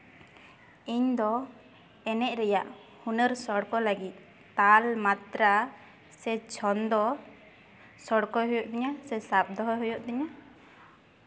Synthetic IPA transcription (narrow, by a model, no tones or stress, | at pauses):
iɲd̪ɔ | ɛnɛc̚ˀɾɛjaʔ | hunəɾsɔɽkɔləɡit̪̚ | t̪almat̪ɾa | sɛt͡ʃʰɔnd̪ɔ | sɔɽkɔɦɔjɔʔd̪iɲasɛsap̚d̪ɔɦɔɦɔjɔʔd̪iɲa